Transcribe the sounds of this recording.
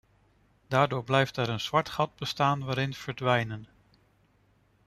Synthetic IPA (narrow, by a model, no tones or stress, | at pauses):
d̥aːɹdʊːɹblɛjftɛɾənz̥ʋɑɹtχɑd̚bəstaːnʋaːɾɪnv̥əɹdʋɛjnən